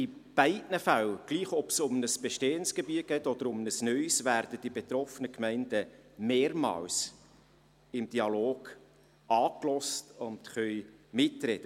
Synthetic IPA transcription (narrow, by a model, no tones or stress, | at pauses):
ɪb̥æɪdnəfælɡ̥liːχɔpsʊmnəsb̥eʃteːənsɡ̥ebiəɡ̥ɛːtɔd̥̪əɾʊmnəsnœʏsvæːɾd̥əd̥ibet̪ɾɔfənəkmɛɪnd̥əmeːɾmɑ̰ːls | ɪmd̥iɑloːɡ̥ | ɑːklɔstʊntχœʏmɪtrɛd̪̥ə